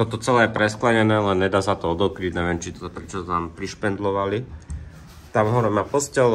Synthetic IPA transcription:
t̪ɔt̪ɔt͡sɛlɛːjɛpɾɛsklaɲɛnɛːlɛnɲɛd̪aːsat̪ɔɔd̪ɔkɾiɟɲɛʋjɛːmt͡ʃit̪ɔpɾɛt͡ʃɔt̪aːmpɾiʃpɛnd̪lɔʋali | t̪amɦɔɾɔmaːpɔscɛl

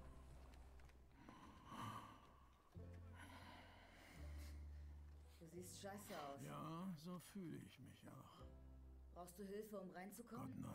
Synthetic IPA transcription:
d̥uːziːstʃaɪsəaʊsjaːzoːfyːləɪ̰çmɪça̰ʊx | b̥ʁaʊxst̚d̥uːɦɪlfəʊmʁaɪnt͡sukʰɔna

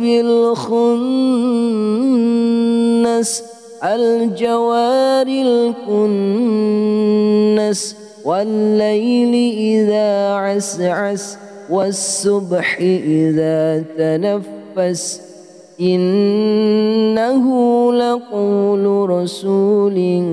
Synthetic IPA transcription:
bɪlxʊn | as | ʔald͡ʒawaːɾɪlkʊn | as | walːajlɪʔɪðaːʕasʕas | wasːʊbħɪʔɪðaːt̪anafːas | ʔɪn | ahʊlaquːlʊɾɑsuːlɪ

